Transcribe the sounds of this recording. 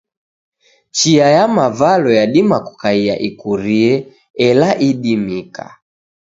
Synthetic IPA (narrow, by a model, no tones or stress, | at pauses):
t͡ʃiajamavalɔjaɗimaku̥kaia̰ʔikuɾiɛ | ɛlaʔiɗimika̰